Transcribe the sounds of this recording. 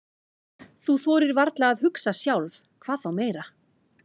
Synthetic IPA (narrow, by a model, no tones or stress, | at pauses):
θuθɔːɾɪɾvaɾt̪laːðɦʏksasjawlv | kʰv̥aːθawmeːjɾa